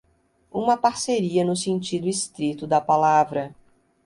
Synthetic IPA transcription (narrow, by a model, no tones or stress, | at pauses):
ũmɐpaɾseɾiɐnʊsẽnt͡ʃid̪ʊist̪ɾit̪ʊd̪ɐpalavɾɐ